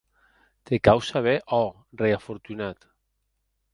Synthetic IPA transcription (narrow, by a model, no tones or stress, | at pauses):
t̪ekawsaβeʔɔ | reafoɾt̪unat̪